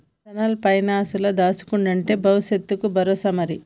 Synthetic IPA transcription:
ɐnɐlpɐjnaːsulɐd̪aːsu̥kuɳɖɐɳʈe̞ːbɐwuʃet̪ːukubʱɐɾoːsɐmɐɾi

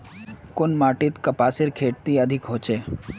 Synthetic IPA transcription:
kʊnmaːʈɪt̪kəpaːseɾkʰeːʈ̚t̪iəd̪ʱɪkɦoːt͡ʃeː

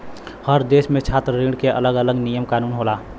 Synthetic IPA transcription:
həɾd̪eːsmẽt͡ʃʰaːt̪ɾɾiːɖkeʔɐ̰ləɡələɡnijəmkaːnuːnɦoːlaː

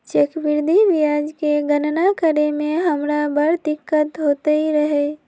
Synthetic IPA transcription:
t͡ʃekbɪɾd̪ʱiʋijad͡ʒkeɡənnakəɾemẽɦəmɾabəɾd̪ɪkːət̪ɦoːt̪əiɾəɦe

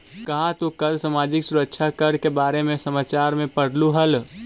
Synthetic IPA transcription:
kɐɦãt̪ũkəlsamaːd͡ʒɪksuɾəkt͡ʃʰakəɾkebaːɾemẽsəmaːt͡ʃaːɾmẽpəɽ̤luɦəl

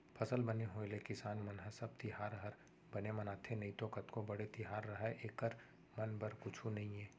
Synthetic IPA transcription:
pʰɐsəlbɐneɦoːelekɪsaːnmɐnɦəsɐb̚t̪ɪɦaːɾɦəɾ | bɐnemɐnaːt̪ʰenɐĩt̪oːkət̪kõbɐɽet̪ɪɦaːɾːɐɦɛʔeːkəɾ | mɐnbɐɾkʊt͡ʃʰunɐɦĩɛː

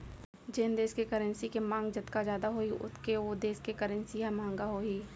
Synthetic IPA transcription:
d͡ʒeːnd̪eːskekəɾə̃nsikemãːŋɡd͡ʒɐt̪kad͡ʒjaːd̪aɦoːiʔʊ̰t̪ʰkeod̪eːskekəɾə̃nsiɦãmãːŋ̆ɡaɦoːiː

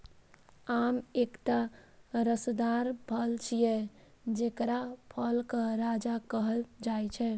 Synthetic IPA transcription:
amekʈaɾəsd̪aɾpʰəlt͡ʃʰijɛ | d͡ʒekɾapʰəlkəɾad͡ʒakəɦəld͡ʒajt͡ʃʰɛ

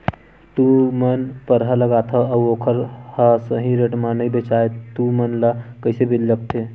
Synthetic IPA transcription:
t̪umənpəɾɦələɡaːt̪ʰəɐwoːkʰəɾhasəɦĩɾeʈmanəibet͡ʃaːet̪umənlakəjsebilːək̚t̪ʰe

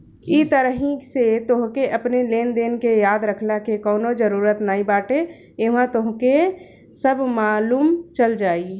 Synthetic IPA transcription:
it̪əɾəɦiset̪oɦkeʔəpneleːnd̪eːnkejaːd̪ɾəkʰlakekɔːnod͡ʒəɾuːɾət̪naĩbaːʈe | eʋãt̪oɦke | səbʱmaːluːmt͡ʃəld͡ʒaːi

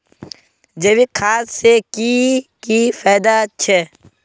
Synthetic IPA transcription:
d͡ʒɐbikʰaːssekikifaːjd̪at͡ʃʰe

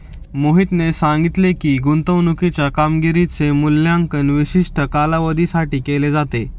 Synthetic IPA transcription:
moɦit̪nesãŋɡit̪lekiːɡunt̪əʋnukit͡ɕjakamɡiɾit͡semulːjaŋkənʋiɕiʂʈʰəkalaʋəd̪ʱisaʈiːkeled͡zat̪e

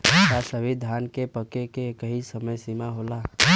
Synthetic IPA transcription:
kasəʋid̪ʱaːnkepəkekekəɦisəməjsimaɦola

